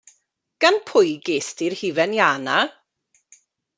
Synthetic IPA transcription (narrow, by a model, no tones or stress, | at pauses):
ɡ̥anpʰʊjɡeːstɪrhivɛnjaːna